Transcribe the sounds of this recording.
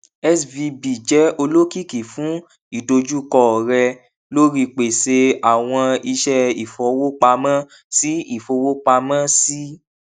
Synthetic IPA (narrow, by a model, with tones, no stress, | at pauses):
ɛ˦svi˧bi˨d͡ʒɛ˨˦o˧lo˦ki˦˨ki˨fũ˨˦ | i˦˨do˧d͡ʒu˦kɔ˦˨ɾɛ˧ | lo˦ɾi˧k͡pe˨se˧a˨w̃ɔ̃˧i˧ʃɛ˦i˨fɔ˨˦wo˦k͡pa˧mã˦ | si˦i˦˨fo˧wo˦k͡pa˧mã˦si˦